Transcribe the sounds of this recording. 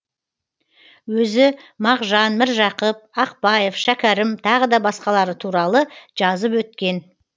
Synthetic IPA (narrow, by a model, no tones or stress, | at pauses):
wɵzɪmɑʁʒɑnmɪɾʒɑqəp̚ɑqpɑje̞fʃækʲæɾɪmt̪ʰɑʁəd̪ɑbɑsqɑlˠɑɾət̪ʰuɾɑlˠəʒ̥ɑzəp̬wɵt̪̚kʲe̞n